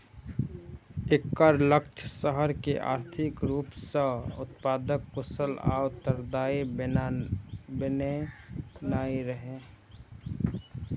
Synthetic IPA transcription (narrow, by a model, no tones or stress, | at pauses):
ekːəɾlək̚t͡ʃʰəsəɦəɾkeʔa̰ːɾt̪ʰɪkɾuːpsə̃ʊ̰t̪̚paːd̪əkːʊsəla̰ːwt̪əɾd̪aːi | bəne | naːiɾəɦẽ